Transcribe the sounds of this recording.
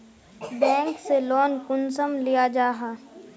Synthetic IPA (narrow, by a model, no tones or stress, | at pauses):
bɛ̃ːŋkselɔːnkʊnsəmlijad͡ʒaːɦaː